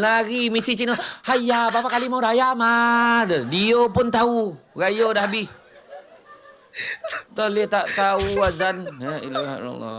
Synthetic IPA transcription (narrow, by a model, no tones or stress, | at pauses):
laɣimisit͡ʃinohajabapakalimauɾajamadədiopʊnt̪auɡajodahbih | tɔhlet̪aʔt̪auazanaḭlaa̰na̰lɔ̰